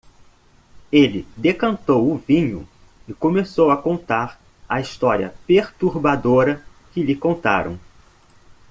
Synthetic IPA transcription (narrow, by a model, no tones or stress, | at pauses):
elɪd̪ekɐ̃nt̪owʊvĩɲʊ̰ | ɪkõmesowɐkõnt̪aɾ | ɐist̪ɔɾiɐ̰peɾt̪uɾbad̪oɾɐ | kɪlɪkõnt̪a̰ɾɐ̰̃w̃